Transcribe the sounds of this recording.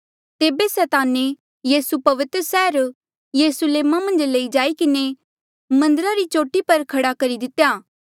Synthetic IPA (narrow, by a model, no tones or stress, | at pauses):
t̪eːbesɛːt̪aːne | jiːsupɐʋɪt̪ɾəsɛːɾ | jeːɾʊsuleːmamɐ̃nd͡ʒleːid͡ʒaːikɪne | mɐ̃nd̪əɾaɾit͡ʃoːʈipɐɾkʰɐɽakɐɾid̪ɪt̪ːjaː